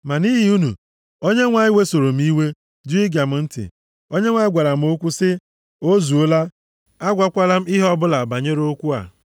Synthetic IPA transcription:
ma˨ni˦ɦɪ˦u˦nṵ˨ | o˦ɲe˦ŋʷa˨ɲɪ˦we˦so˨ɾo˨m̩˦i˦we˦ | dʊ˦i˦ɡja˨m̩˦n̩˦tɪ̰˨ | o˦ɲe˦ŋʷa˨ɲɪ˦ɡʷa˨ɾa˨m̩˦o˦kʷu˦sɪ˦ | o˦zu˨o˦la˦ | a˦ɡʷa˦kʷa˦la˦m̩˦ɪ˦ɦɔ˦bʊ˦la˨ba˨ɲe˦ɾo˦kʷu˦a̰˨

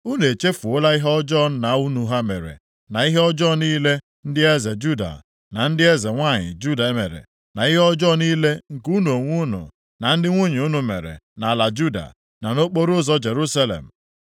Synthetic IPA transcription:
u˦ne˨t͡ʃe˦fu˨ʊ˦la˦i˦ɦɔ˦d͡ʒɔ˦n̩˦na˨˦u˦nu˦ɦa˦mḛ˨ɾḛ˨ | na˨i˦ɦe˦ɔ˦d͡ʒɔ˦niː˦le˦ | n̩˦dɪ˦e˦ze˨d͡ʒu˦da̰˨ | na˨n̩˦dɪ˦e˦ze˨ŋʷa˦˨ɲɪ̰˨d͡ʒu˦da˨e˦mḛ˨ɾḛ˨ | na˨i˦ɦe˦ɔ˦d͡ʒɔ˦niː˦le˦ŋ̩˨ku˦no˨ŋʷu˦nṵ˨ | na˨n̩˦dɪ˦ŋʷu˦ɲ˨u˦nu˨mḛ˨ɾḛ˨na˨la˨d͡ʒu˦da̰˨ | na˨no˦k͡po˦ɾʊ˦zɔ˦d͡ʒe˨ɾu˦sa˦lḛ˨m̩˨

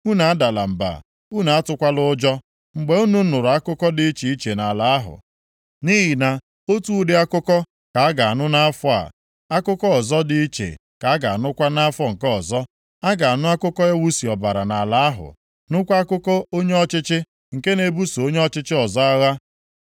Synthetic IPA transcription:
u˦na˨a˦da˨la̰˨m̩˨ba̰˨ | u˦na˨a˦tʊ˦kʷa˦lʊ˦d͡ʒɔ˦ | ŋ͡m̩˨ɡ͡be˨u˦nu˦nʊ˨ɾʊ˨a˦kʊ˦kɔ˦dɪ˦i˦t͡ʃi˨i˦t͡ʃe˨na˨la˨a˦ɦʊ̰˨ | ni˦ɦi˨na˨ | o˦tu˦dɪ˦a˦kʊ˦kɔ˦ | ka˨a˦ɡa˨a˨nʊ˦na˦a˦fɔ˦a̰˨ | a˦kʊ˦kɔ˦ɔ˨zɔ˦dɪ˦i˦t͡ʃḛ˨ | ka˨a˦ɡa˨a˨nʊ˦kʷa˦na˦a˦fɔ˦ŋ̩˨kɔ˦ɔ˨zɔ˦ | a˦ɡa˨a˨nʊ˦a˦kʊ˦kɔ˦ja˦wu˦si˨ɔ˨ba˨ɾa˨na˨la˨˦a˦ɦʊ̰˨ | nʊ˦kʷa˦a˦kʊ˦kɔ˦o˦ɲe˦ɔ˦t͡ʃɪ˦t͡ʃɪ˦ | ŋ̩˨ke˦ne˨bu˦so˨o˦ɲe˦ɔ˦t͡ʃɪ˦t͡ʃɪ˦ɔ˨zɔ˦a˦ɣa˦

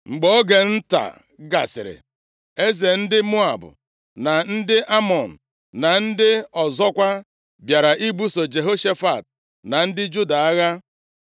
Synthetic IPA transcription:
ŋ͡m̩˨ɡ͡bɔ˨˦ɡe˨n̩˦ta̰˨ | ɡa̰˨sɪ̰˨ɾɪ̰˨ | e˦ze˨n̩˦dɪ˦mo˦a˨bʊ̰˨ | na˨n̩˦dɪ˦ʔa˦mɔ˨n̩˨ | na˨n̩˦dɪ˦ɔ˨zɔ˦kʷa˦ | bja˨ɾa˨ʔi˦ɡ͡bu˦so˨d͡ʒe˨ɦo˦ʃe˦fa˨t̚ | na˨n̩˦dɪ˦d͡ʒu˦da˨a˦ɣa˦

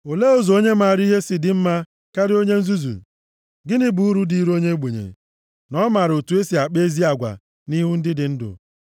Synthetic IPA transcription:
o˨le˦o˦zo˨o˦ɲe˦ma˨ɾi˦ɦe˦sɪ˨dɪ˨m̩˦ma˦ | ka˦ɾɪ˦o˦ɲe˦n̩˦zu˦zṵ˨ | ɡɪ˦nɪ˦bu˨u˦ɾu˦di˨˦ɾo˦ɲe˦ɡ͡be˨ɲḛ˨ | nɔ˦ma˨ɾo˨tu˨˦e˦si˨a˨k͡pe˦zi˦a˨ɡʷa̰˨ | ni˦ɦu˦n̩˦dɪ˦dɪ˨n̩˦dʊ̰˨

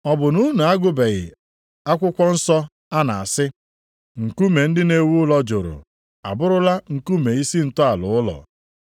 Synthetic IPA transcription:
ɔ˦bʊ˨nu˦na˨a˦ɡʊ˦be˨ɣɪ̰˨ | a˦kʷʊ˦kʷɔ˦n̩˦sɔ˦ | a˦na̰˨a˨sɪ˦ | ŋ̩˨ku˦me˨n̩˦dɪ˦ne˨wu˦ʊ˦lɔ˦d͡ʒʊ˨ɾʊ̰˨ | a̰˨bʊ˦ɾʊ˦la˦ŋ̩˨ku˦me˨i˦si˦n̩˨tʊ˦a˨lʊ̰˨˦ʊ˦lɔ̰˨

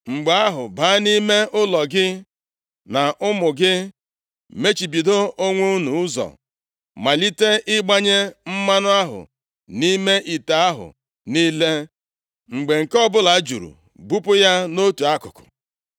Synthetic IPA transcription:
ŋ͡m̩˨ɡ͡ba˦a˦ɦʊ˨ba˨˦a˦ni˦me˦ʔʊ˦lɔ˨ɡɪ˦ | na˨ʔʊ˦mʊ˨ɡɪ˦ | me˦t͡ʃi˨bi˨do˦o˦ŋʷu˦nu˨ʊ˦zɔ̰˨ | ma˨li˦te˦ʔɪ˦ɡ͡ba˦ɲe˦m̩˦ma˦nʊ˦a˦ɦʊ̰˨ | ni˦me˦ʔi˨ta˨a˦ɦʊ̰˨ | ni˦le˦ | ŋ͡m̩˨ɡ͡be˨ŋ̩˨kɔ˦bʊ˦la˨˦d͡ʒu˨ɾṵ˨ | bu˦pʊ˦ja˦no˦tu˨a˦kʊ˨kʊ̥̰˨

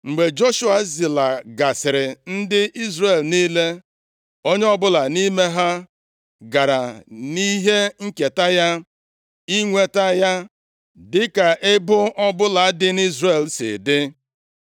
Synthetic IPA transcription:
ŋ͡m̩˨ɡ͡be˨d͡ʒo˦ʃu˦a˨zɪ˨la˨ɡa˨sɪ˨ɾɪ˨n̩˦dɪ˦ʔi˦zre˨lni˦le˦ | o˦ɲe˦ɔ˦bʊ˦la˨ni˦me˦ɦa˦ | ɡa˨ɾa˨ni˦ɦe˦ŋ̩˦ke˨ta˦ja˦ | i˦ŋʷe˦ta˦ja˦ | dɪ˦ka˨ʔɪ˦bʊ˦ʔɔ˦bʊ˦la˨a˦dɪ˦ni˦zre˨lsɪ̰˨dɪ˦

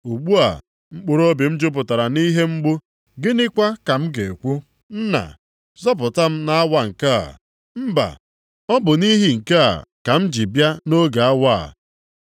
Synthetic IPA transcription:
u˨ɡ͡bu˦a̰˨ | ŋ͡m̩˦k͡pʊ˦ɾo˦bi˨m̩˦d͡ʒʊ˦p̬ʊ˨ta˨ɾa˨ni˦ɦe˦ŋ͡m̩˦ɡ͡bʊ˦ | ɡɪ˦nɪ˦kʷa˦ka˨m̩˦ɡe˨kʷu˦ | n̩˦na̰˨ | zɔ˦p̬ʊ˨ta˦m̩˦na˦a˦wa˦ŋ̩˨ka˦a̰˨ | m̩˦ba̰˨ | ɔ˦bʊ˨ni˦ɦi˦ŋ̩˨ke˦a̰˨ka˨m̩˦d͡ʒi˨bja˦no˦ɡa˨a˦wa˦a̰˨

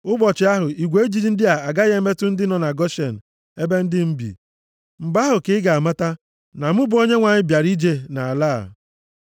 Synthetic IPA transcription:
ʊ˦bɔ˨t͡ʃɪ˨a˦ɦʊ˨i˨ɡʷe˨e˦d͡ʒi˨ɾi˦n̩˦dɪ˦a˨a˨ɡa˦ɣe˦me˦tʊ˦n̩˦dɪ˦nɔ˨na˨ɡɔ˦ʃe˨n̩˨ | e˦be˦n̩˦dɪ˦m̩˦bḭ˨ | m̩˨ba˦ɦʊ˨kɪ˦ɡa˨ma˦ta˦ | na˨mʊ˦bʊ˨˦o˦ɲe˦ŋʷa˨ɲɪ˦bja˨ɾi˦d͡ʒe˦na˨a˨laː˦˨

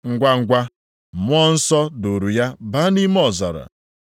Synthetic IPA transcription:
ŋ̩˦ɡʷa˦ŋ̩˦˨ɡʷa˦˨ | mʊ˦ɔ˦n̩˦sɔ˦do˨ɾu˨ja˦ba˦ni˦m˦ɔ˨zɔ̰˨ɾa̰˨

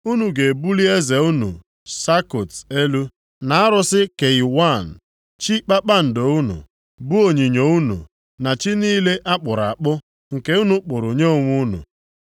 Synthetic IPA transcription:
u˦nu˨ɡe˨bu˦li˦e˦ze˨u˦nṵ˨ | sa˦ko˨te˦lu˦ | na˨a˦ɾʊ˦sɪ˦ke˨i˨wa˦˨n̩˨ | t͡ʃi˦k͡pa˦k͡pa˦n̩˨do˨u˦nṵ˨ | bu˦o˨ɲi˨ɲo˨u˦nṵ˨ | na˨t͡ʃi˦niː˦le˦ʔa˦k͡pʊ˨ɾa̰˨a˨k͡pʊ˦ | ŋ̩˨ke˦u˦nu˨k͡pʊ˨ɾʊ˨ɲe˦o˨ŋʷu˦nṵ˨

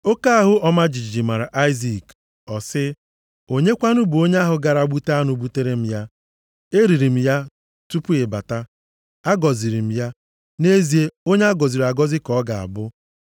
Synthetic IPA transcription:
o˦ka˦a˦ɦʊ˦ɔ˦ma˦d͡ʒi˨d͡ʒi˨d͡ʒi˨ma˨ɾa˨ʔa˦ɪ˦zi˨k | ɔ˨sɪ˦ | o˦ɲe˦kʷa˦nʊ˦bo˦ɲe˦a˦ɦʊ˨ɡa˨ɾa˨ɡ͡bu˦ta˦nʊ˨bu˦te˦ɾe˦m̩˦ja˦ | e˦ɾi˨ɾi˨m̩˦ja˦ | tu˦pu˦ɪ˨ba˨ta˦ | a˦ɡɔ˨zi˨ɾi˨m̩˦ja˦ | ne˦zi˨e˦o˦ɲe˦a˦ɡɔ˨zi˨ɾa˨ɡɔ˦zɪ˦kɔ˨˦ɡa˨a̰˨bʊ˦

